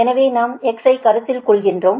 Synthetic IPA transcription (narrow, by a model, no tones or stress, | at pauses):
ɛnɐʋeːnaːmɛksɐɪkɐɾɯt̪ːɪlkɔɭɣɪndroːm